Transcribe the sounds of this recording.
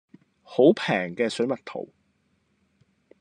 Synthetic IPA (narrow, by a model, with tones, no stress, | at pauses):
ho˨˥wpʰɛː˨˩ŋkɛː˧sɵ˨˥ɥmɐ˨t̚t̪ʰo̰˨˩w